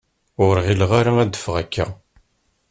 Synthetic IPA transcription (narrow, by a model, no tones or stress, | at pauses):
ʊɾʁilʁaɾaæd̪ːə̥fʁækːæ̰